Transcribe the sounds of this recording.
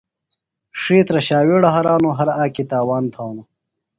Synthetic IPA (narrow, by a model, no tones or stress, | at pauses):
ʂiːt̪ɾɐɕaːweːɽɐɦɐɾaːnoɦɐɾaːkit̪aːwaːnt̪ʰaːno